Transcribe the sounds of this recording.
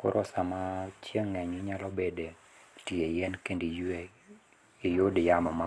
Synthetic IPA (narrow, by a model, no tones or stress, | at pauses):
kʊ̰ɾʔɔsamat͡ʃjeŋːɛɲiɲalɔbede | tiejɛnkendi | ijodɪjamɔma